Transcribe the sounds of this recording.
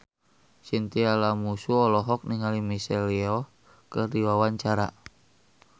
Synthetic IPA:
sint̪ialamusuɔlɔɦɔk̚niŋalimisɛliɔ | kədiwawaɲt͡ʃaɾa̰

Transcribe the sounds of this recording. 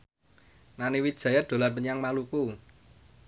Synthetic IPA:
naniwid̥ʒ̥a̤jad̪̥o̤larpəɲaŋmaluku

